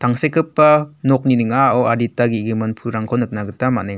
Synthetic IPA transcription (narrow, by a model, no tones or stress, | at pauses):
tʰaŋsekʰɯpːanɔk̚ninɯŋaɔwaɾitaɡiɡɯmanpʰuɾaŋkʰɔnɯk̚naɡɯtamanɯŋ